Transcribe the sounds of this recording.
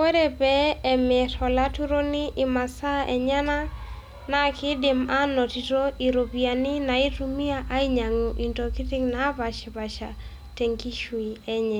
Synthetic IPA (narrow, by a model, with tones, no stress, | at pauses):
wɔ˦ɾɛ˨pɛː˨mɪ˨ɾɔ˨la˦tu˦ɾo˦ni˦ʔɪ˨ma˨sa˦ʔɛ˨ɲa˦na˦ | na˨kɪ˦dɪ˨ma˦nɔ˨ti˨to˦i˨ɾo˨pia˨ni˦na˨i˦tumi˦aʔa˦iɲa˨ŋu˨ʔi˨ntɔki˦ti˦ŋna˦βa˨ʃi˨βa˨ʃa˨ | tɛ˨ŋɡi˦ʃwi˨ɛ˦ɲɛ˨